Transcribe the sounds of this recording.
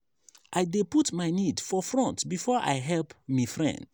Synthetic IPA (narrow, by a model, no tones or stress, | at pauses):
ʔaɪdeputmaɪnidfɔfɹɔ̃ntbifɔʔa̰ɪɦɛlpmifɹɛ̰̃nd̥